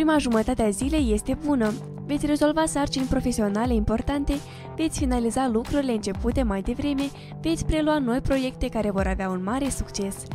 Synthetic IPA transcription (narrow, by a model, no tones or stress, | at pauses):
ppɾimaʒumət̪at̪eazile̞je̞st̪e̞bunə | vet̪sʲre̞zo̞lvasart͡ʃinʲpɾo̞fe̞sio̞nale̞impo̞rt̪ant̪e̞ | ve̞t̪sʲfinalizalukɾuɾileɨnt͡ʃe̞put̪e̞majd̪e̞vɾe̞me̞ | ve̞t̪sʲpɾe̞luano̞jpɾo̞je̞k̚t̪e̞kaɾe̞vo̞ɾaveaunmaɾe̞sukt͡ʃe̞s